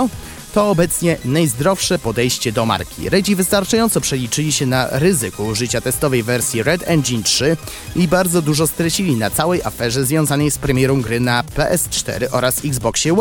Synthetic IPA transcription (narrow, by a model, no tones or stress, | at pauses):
t̪ɔːbɛt̪sɲɛnajzd̪ɾɔfʂɛpɔd̪ɛjɕt͡ɕɛd̪ɔma̰ɾkʲḭɾɛd͡ʑivɘst̪aɾt͡ʂajɔnt̪sɔpʂɛlʲit͡ʂɘlʲiɕɛnaɾɘzɘkuʐɘt͡ɕat̪ɛst̪ɔvɛjvɛɾsʲjiɾɛd̪ɛnd̪d͡ʑintʂɘ | ibaɾd̪zɔd̪uʐɔst̪ɾɛt͡ɕilʲinat̪sawɛjʔafɛʐɛzvʲjɔ̃w̃zanɛjspɾɛmʲjɛɾɔ̃w̃ɡɾɘnapɛʔɛst͡ʂt̪ɛ̰ɾɘʔɔɾasiɡzbɔkɕɛw